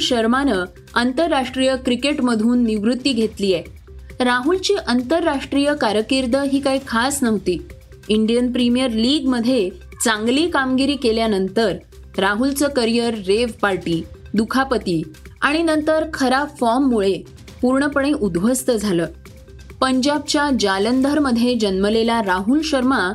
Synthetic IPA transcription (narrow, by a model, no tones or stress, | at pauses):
ɕəɾmanə | ant̪əɾːaʂʈɾijəkɾikeʈməd̪ʱuːnːiʋɾut̪ːiːɡʱet̪liːje | ɾaɦult͡ɕiːʔənt̪əɾːaʂʈɾijəkaɾjəkiɾd̪əɦiːkaɦikʰasnəʋt̪iː | iɳɖijənpɾimijəɾliːɡməd̪ʱːje | t͡sãŋɡliːkamɡiɾiːkeljanənt̪əɾ | ɾaɦult͡səːkəɾijəɾːeʋpaɾʈiː | d̪ukʰapət̪iːaɽ̃inənt̪əɾkʰəɾapfɔɾmːuɭe | puɾɳəpəɳ̃eʔud̪b̤ʱəst̪əd͡zʱaləː | pəɲd͡ʑab̚t͡ɕjad͡ʑalənd̪ʱəɾməd̪ʱjed͡ʑənməlelaɾaɦulɕəɾma